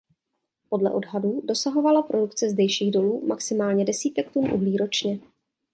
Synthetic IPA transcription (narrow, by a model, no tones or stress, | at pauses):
po̞dlɛ̰ʔo̞dɦadudo̞saɦo̞valapɾʔo̞dukt͡sɛzdɛjʃiːɣdo̞luːma̰ksɪmaːlɲɛdɛsiːt̪ɛk̚t̪unʔṵɦliːɾo̞t͡ʃɲɛ